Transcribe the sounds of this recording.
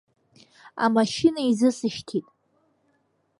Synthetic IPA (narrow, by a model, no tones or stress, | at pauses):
a̰maʃɪnaizɨsɨʃtʰitʼ